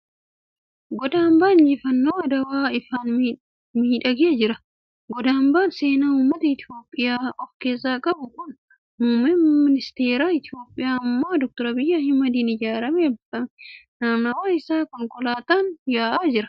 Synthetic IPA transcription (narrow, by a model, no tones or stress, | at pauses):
ɡɔd̪aːmbaːnd͡ʒɪfɐnːoːɐd̪ɐwaːɪfaːn | miːᶑɐɡeːd͡ʒɪɾɐ | ɡɔd̪aːmbaːnse̞ːnaːuːmːɐt̪ɐɪt̪ɪjo̞ːpʼːɪjaːɔfke̞ːs̬ːaːkʼɐbʊkʊn | muːmɛmɪnɪst̪e̞ːɾaːɪt̪ɪo̞ːpʼːɪjaːmːo̞ːd̪ɔk̚t̪ɔɾɐbɪjːahɪmɐd̪iːnɪd͡ʒaːɾɐmɛɐbɐmnaːmnɐwaːɪsaːkɔŋkʼɔlaːt̪aːnjaːʔaːd͡ʒɪɾɐ̥